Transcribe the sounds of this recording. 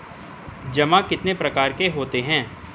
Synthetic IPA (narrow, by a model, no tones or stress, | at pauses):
d͡ʒɐmãkɪt̪nepɾɐkaːɾkeɦoːt̪eɦɛ̃ː